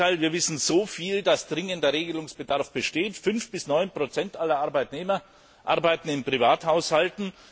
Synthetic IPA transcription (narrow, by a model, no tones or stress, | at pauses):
aɪlviːɐvɪsn̩zoːfiːldasd̥ʁɪŋəndɐʁeːɡəlʊŋsb̥ədaɐfb̥əʃteːtfʏnfb̥ɪsnɔʏnpʁ̥ot͡sɛntʔalɐʔaɐbaɪtneːmɐ | ʔa̰ʁbaɪtn̩ɪnpʁ̥ivaːthaʊshaltn̩